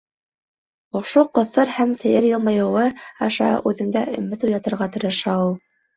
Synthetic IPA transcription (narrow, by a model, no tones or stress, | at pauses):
ŏʃoqŏθɤɾhæmsæ̆jɘɾjɤlˠmɑjɤ̆wɤɑʃɑ̰ʔʉðɘ̆ŋd̪æʔɵ̰̆mɘt̪ujɑt̪ɤ̆ɾʁɑt̪ɵ̆ɾɘ̆ʃæu